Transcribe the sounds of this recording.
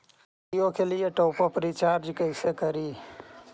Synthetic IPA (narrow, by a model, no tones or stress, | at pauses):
ijokelieʈoːpopɾit͡ʃaːɾd͡ʒkəɪsekəɾiː